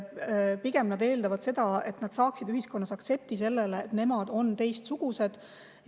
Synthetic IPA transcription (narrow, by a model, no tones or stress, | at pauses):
piɡe̞mnɑd̪e̞ːld̪ɑvɑd̪̥se̞d̪̥ɑe̞t̪nɑd̪̥sɑːksid̪yɦisko̞nːɑsɑk̪se̞p̚t̪ise̞lːeleːt̪ne̞mɑd̪̥o̞nt̪e̞jst̪suɡ̥use̞d̪̥